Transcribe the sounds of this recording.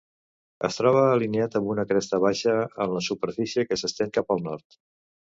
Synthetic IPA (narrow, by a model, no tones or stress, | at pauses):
ə̰st̪ɾɔβəːlineat̪əmbunəkɾɛst̪əβ̞aʃəəmləsupəɾfisiəkəsəst̪ɛŋkapəlˠnɔɾt̪